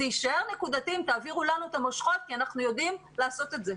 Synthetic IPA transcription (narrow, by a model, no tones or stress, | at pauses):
iiʃae̞ʁnekud̪at̪imt̪aːviʁulanuet̪amo̞ʃχo̞t̪̚kianaχnujo̞d̪imlaːso̞t̪e̞tze̞